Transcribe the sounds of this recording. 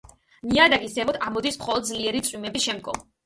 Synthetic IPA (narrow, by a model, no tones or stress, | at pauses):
niad̪aɡisɛmɔd̪ʰamɔd̪ismχɔlˠɔd̪̚zliɛɾit̪sʼwimɛbiʃɛmd̪̚ɡɔ̰m